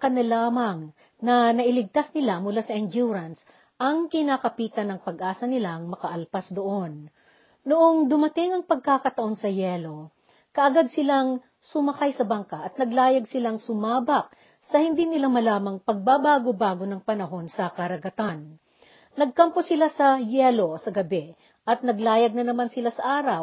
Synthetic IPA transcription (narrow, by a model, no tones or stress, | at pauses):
kɐnɐlaːmɐŋ | nɐnɐʔɪlɪɡ̚t̪asnɪlamʊlasɐʔɛnd͡ʒuɾɐns | ʔɐŋkɪnaːkɐpiːt̪ɐnɐŋpɐɡʔaːsɐnɪlaʔɐŋmɐkɐʔɐlpasd̪oʔo̞nː | oʔoŋd̪ʊmɐt̪ɪŋɐŋpɐɡ̚kaːkɐt̪ɐʔo̞nsɐjɛːlo̞ | kɐʔɐɡad̪̚sɪlaŋ | sʊmɐkajsɐbaŋkɐʔɐt̪nɐɡlaːjɐɡsɪlaŋsʊmaːbɐk̚ | sɐhɪnd̪iːnɪlamɐlaːmɐŋpɐɡ̚babaːɡobaːɡo̞nɐŋpɐnɐɦo̞nsɐkɐɾɐɡɐt̪anː | ɐɡ̚kɐmposɪlasɐjɛːlo̞sɐɡɐbɛ | ʔɐt̪̚nɐɡlaːjɐɡ̚nɐnɐmansɪlasɐʔaːɾɐw